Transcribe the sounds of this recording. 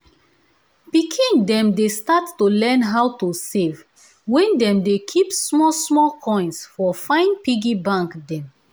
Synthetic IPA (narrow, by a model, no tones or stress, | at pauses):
pikʰĩndɛ̃mdestatːulɛ̃nɦawtusev | wɛ̃ndɛ̃mdekʰipsmɔlsmɔkʰɔ̃ɪ̃nsfɔfãɪ̃npiɡibãŋkdɛ̃m